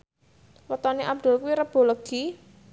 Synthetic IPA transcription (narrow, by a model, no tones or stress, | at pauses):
wət̪ɔneʔab̚d̪̥ṳlkuwiɾəb̥o̤lɔɡ̥i